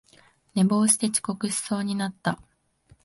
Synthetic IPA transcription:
ne̞bo̞ːɕi̥t̪e̞t͡ɕi̥ko̞kɯ̟ɕi̥so̞ːɲ̟inat̪ːa

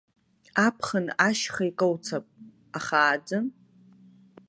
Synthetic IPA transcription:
apʰχənaʃχaikʼəwt͡sʰapʼ | aχaːd͡zɨ

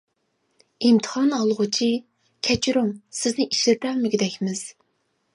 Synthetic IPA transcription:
imt̪ʰə̥χɑnɑlˠʁʊt͡ʃʰi | kʲʰɛt͡ʃʰiɾuŋsɪznɪʔiʃlɪt̪ɛŋmɪɡʲid̪ɛkʲmɪz̥

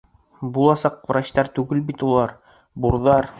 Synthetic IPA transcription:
bulˠɑsɑq̚vɾɑɕt̪ɑɾt̪ʉɡɘlbit̪ulˠɑɾ | buɾðɑɾ

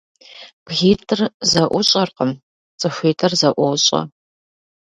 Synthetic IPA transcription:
b̥ɣiːtʰʼɨrzɐʔʷʊɕʼɐrqəm | t͡sʼɨxiːtʰʼɨrzɐʔʷɔwɕʼɐ̰

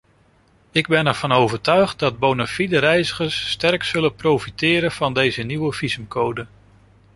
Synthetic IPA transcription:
ɪɡ̚bɛnɛɹv̥ɑnowvəɹtœɥχt̚dɑd̚bownafidəɾɛjzəχəɹsːtɛrksɵlənprowfitɪːɾənv̥ɑndejzəniwəv̥izəmkʰowdən

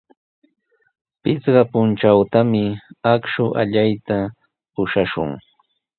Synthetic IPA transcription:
pɪt͡sɢɑpʊnt͡ʃawt̪amɪakʃʊʔa̰ʎajt̪a | pʊʃaʃʊ̰ŋ

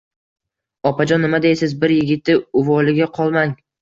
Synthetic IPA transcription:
ɒpʰad͡ʒɒnːɪmad̪esɪzbɪɾjɪɡʲɪt̪ʰːɪʊvɒlɪɡʲaqʰɒlˠmaŋ

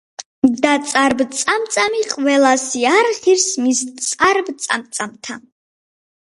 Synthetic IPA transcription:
d̪at̪sʼaɾbt̪sʼamt̪sʼamiqʼvɛlasiaɾχiɾsmist̪sʼaɾbt̪sʼa̰mt̪sʼamt̪ʰan

